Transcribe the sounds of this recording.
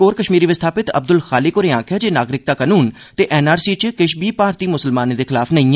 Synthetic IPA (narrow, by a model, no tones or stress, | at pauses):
oːɾkəʃmiːɾiːʋɪst̪ʰaːpɪt̪ə̰b̚d̪ʊlxaːlɪkoːɾeːãːkʰjaːd͡ʒeːnaːɡɾɪk̚t̪aːkənuːn | t̪eːʔɛːnaːɾsiːt͡ʃkɪʃbiːpaːɾt̪iːmʊsəlmaːnːd̪eːkʰɪlaːpʰnəĩː